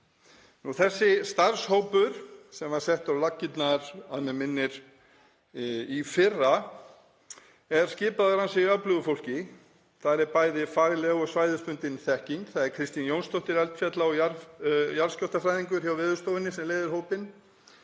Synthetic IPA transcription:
nuθɛsːɪst̪aɾ̥showpʏɾ̥sɛmað̥sɛht̪awlacːɪt̪naɾaðmɛmɪnːɪɾ̥ | ifɪrːa | ɛɾ̥scɪːpaðʏɾansɪiaplʏvʏfowl̥cɪ | θaɾɛɾpaːjðɪfaɣlɛɣɔɣsvaːjðʏst̪ʏnt̪ɪnθɛhciŋkθaðɛɾkʰɾɪst̪injownst̪owht̪ɪɾɛlt̪fjɛt̪laɔjaɾjaɾscɔht̪afɾajðiŋkʏɾ̥çjawvɪːðʏst̪oːwvɪnːɪsɛmleːjðɪɾ̥ɦoːwpɪn

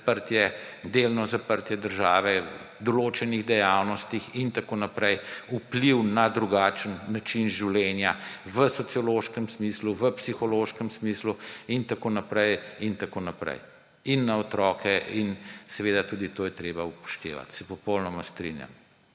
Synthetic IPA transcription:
pəɾt̪jɛd̪elnɔzapəɾt̪jɛd̪əɾʒaːʋɛ | d̪ɔloːt͡ʃɛniɣd̪ɛjawnɔst̪ixint̪akoːnapɾɛjupliwnad̪ɾuɡaːt͡ʃənːat͡ʃinʒiwlʲɛnjaʋəsɔt̪siɔloːʃkəmsmiːsluʋəpsixɔloːʃkəmsmiːsluint̪akoːnapɾɛjint̪akoːnapɾɛ̰j | inːaɔt̪ɾɔːkʰɛʔinsɛʋeːd̪at̪uːd̪it̪oːjɛt̪ɾeːbaupɔ̥ʃt̪ḛːʋa̰t̪sɛpɔpɔwnɔmast̪ɾḭnja̰m

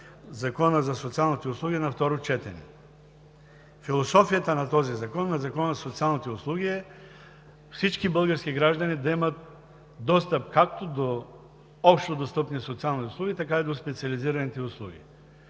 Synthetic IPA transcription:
zɐkɔnəzɐsot̪sialˠnit̪ɛʊslˠuɡʲiɛnɐft̪ɔɾot͡ʃɛt̪ɛnḭ | filˠosɔfijat̪ənɐt̪ɔzizɐkɔnːazɐkɔnəzsot̪sialˠnot̪ɛʊslˠuɡʲiɛ | fsit͡ʃkibəlˠɡəɾsk̟ʲiɡɾaʒd̪ɐnid̪ɐimət̪̚ | d̪ɔst̪əp̚kak̚t̪od̪o | ɔpʃt̪od̪ost̪ɤpnisot̪sialˠnit̪ɛʊslˠuɡʲit̪ɐkaid̪ospɛt̪siɐliziɾɐnit̪ɛʊslˠuɡʲḭ

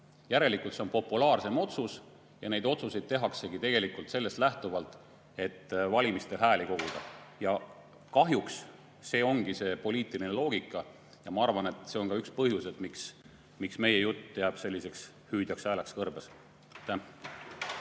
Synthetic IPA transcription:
jæɾe̞likult̪se̞o̞npo̞pːulɑːrse̞mo̞t̪sus | jɑne̞jd̪o̞t̪suse̞jd̪̥̚t̪e̞ɦɑkse̞ɡ̥it̪e̞ɡ̥e̞likult̪se̞lːe̞st̪læht̪uvɑlt̪ːˑ | e̞t̪ːvɑlʲimist̪e̞ɦæːliko̞ɡ̥ud̪̥ɑjɑ | kɑɦjuks | se̞ːo̞ŋɡ̥iseːpo̞liːt̪ːˑilinelo̞ːɡikːˑɑ | jɑmɑɑrvɑne̞t̪ːˑse̞o̞ŋkɑykspɤɦjuset̪ˑmiks | miksme̞je̞jut̪ːeæb̥se̞lʲːise̞ks | hyːd̥̪jɑksæːlekskɤrbes | t̪ːæ

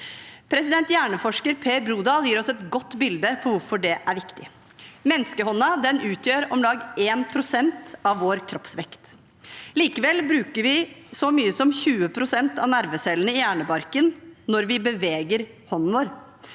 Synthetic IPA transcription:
pʰɾɛsɪd̪ɛnt̪jæːɳəfɔʂkəɾpʰeːɾbɾuːd̪ɑːljiːɾɔsɛt̪ɡɔt̪ːbɪld̪əpʰɔʋʊɾfɔɖɛʔæɾʋɪkt̪ɪ | mɛnːskəhɔnːɑd̪ɛnʔʉːt̪jøːɾɔmlɑːɡeːnpʰɾʊsɛnt̪ɑʋːoːɾkʰɾɔpsʋɛkt̪ | liːkəʋɛlbɾʉːkəɾʋɪsɔmyːəsɔmçʉːəpʰɾʊsɛnt̪ɑʋnæɾʋəsɛlənəɪjæːɳəbɑɾkənnɔɾʋɪbəʋeːɡəɾ | hɔnn̩ʋoːɾ

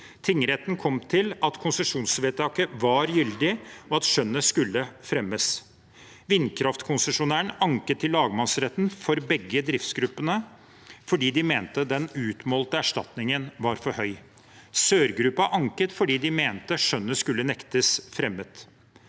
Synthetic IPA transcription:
t̪ʰɪŋːɾɛt̪ənkʰɔmt̪ʰɪlɑt̪kʰʊnsəʂuːnsʋeːt̪ʰɑkəʋɑɾjʏld̪ɪɔɑt̪ʂœnːəskʉlːəfɾɛmːəs | ʋɪnkʰɾɑft̪kʰʊnsəʂʊnæːəɳɑŋkət̪ʰːɪlːɑːɡmɑnsɾɛt̪nfɔɾbɛɡːəd̪ɾɪft̪sɡɾʉpːənə | fɔɖiːd̪ɪmeːnt̪əd̪ɛnʉːt̪mɔːlt̪əæʂʈɑ̰t̪nɪŋənʋɑɾfɔɾhœʏ | søːɾɡɾʉpɑʔɑŋkət̪fɔɖiːd̪ɪmeːnt̪əʂœnːəskʉlːənɛkt̪əsfɾɛmːət̪

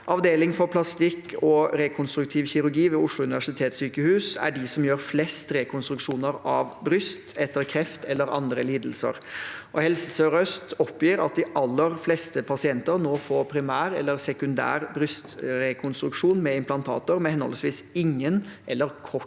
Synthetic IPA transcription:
ʔɑʋd̪eːlɪŋfɔɾpʰlɑst̪ɪkːɔɾɛkʰʊnst̪ɾʉk̚t̪ʰiːʋçɪɾʉɾɡiːʋɛʊʂlʊʉnɪʋæʂɪt̪ʰeːt̪syːkəhʉːsæ̰ɖɪsɔmjøːɾflɛst̪ɾɛkʰʊnst̪ɾʉkʂuːnəɾɑʋbɾʏst̪ɛt̪ːəɾkʰɾɛft̪ʰɛlːəɾɑ̰nd̪ɾəliːd̪əlsə̰ɾʔɔhɛlsəsøɾœst̪ɔpːjiːɾɑ̰t̪̚d̪ɪʔɑlːəɾflɛst̪əpʰɑsɪɛnt̪əɾnoːfoːɾpʰɾɪmæːɾɛ̰lːəɾsɛkʉnd̪æ̰ːɾbɾʏst̪ɾɛkʰʊnst̪ɾʉkʂuːnmɛɪmpʰlɑnt̪ʰɑ̰ːt̪ʊɾmɛhɛnhɔ̰ləsʋiːsɪŋːənʔɛlːəɾkʰɔ

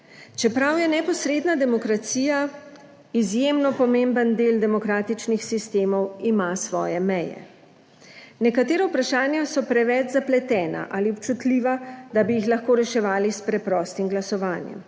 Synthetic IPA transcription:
t͡ʃɛpɾawjɛnɛpɔsɾeːd̪nad̪ɛmɔkɾat̪siːja | izjemnɔpɔmembənd̪eːld̪ɛmɔkɾaːt̪it͡ʃnixsist̪eːmɔwimasʋɔːjɛmɛjɛ̰ | nɛkat̪eːɾawupɾaʃaːnjasɔpɾɛʋɛt͡ʃzaplɛt̪ɛːna̰ʔaliɔp̚t͡ʃut̪liːʋad̪abijixlaxkoːɾɛʃɛʋaːlispɾɛpɾɔːst̪imɡlasɔʋaːnjɛ̰m

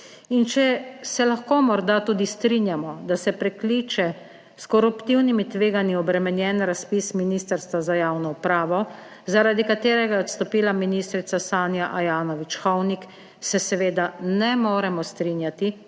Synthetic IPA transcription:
int͡ʃɛsɛlaxkoːmɔɾd̪at̪uːd̪ist̪ɾinjamɔd̪asɛpɾɛkliːt͡ʃɛ | skɔɾupt̪iwnimit̪ʋeːɡaniɔbɾɛmɛnjɛnɾaspisminiːst̪əɾst̪ʋazajaːwnɔupɾaːʋɔ | zaɾad̪ikat̪eːɾɛɡajɛɔt̪st̪ɔpiːlaminiːst̪ɾit̪sasaːnjaʔajaːnɔʋit͡ʃxɔwnik | sɛsɛʋeːd̪anɛmoːɾɛmɔst̪ɾinjat̪i

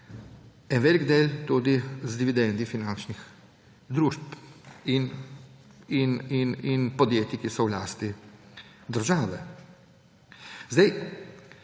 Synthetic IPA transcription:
ɛnʋeːliɡd̪eːlt̪uːd̪izd̪iʋid̪ɛnd̪ifinant͡ʃnix | d̪ɾuːʃpin | inininpɔd̪jeːt̪ikisɔwlaːst̪i | d̪əɾʒaːʋɛ | zd̪ɛj

